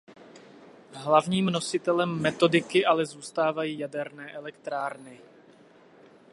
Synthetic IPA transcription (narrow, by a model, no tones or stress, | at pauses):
ɦlavɲiːmno̞sɪt̪ɛlɛmːɛt̪o̞dɪkɪʔalɛzuːst̪aːvajiːjadɛɾnɛːʔɛlɛkt̪ɾaːɾnɪ